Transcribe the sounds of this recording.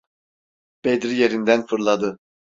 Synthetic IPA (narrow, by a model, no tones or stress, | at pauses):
b̥ed̪ɾijeɾind̪ænfɯɾlˠad̪ɯ